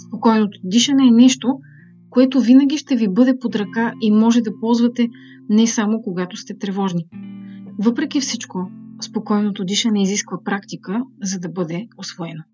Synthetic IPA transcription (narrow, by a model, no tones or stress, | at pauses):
spokɔjnot̪od̪iʃɐnɛːnɛʃt̪o | koɛt̪ovinɐɡ̟ʲiʃt̪ɛvibɤd̪ɛpod̪ɾɐkaʔimɔʒɛd̪ɐpɔlˠzvɐt̪ɛ | nɛsamokoɡat̪ost̪ɛt̪ɾɛvɔʒni | vɤpɾɛk̟ʲifsit͡ʃkospokɔjnot̪od̪iʃɐnɛiziskvəpɾakt̪ikəzɐd̪ɐbɤd̪ɛosvoɛno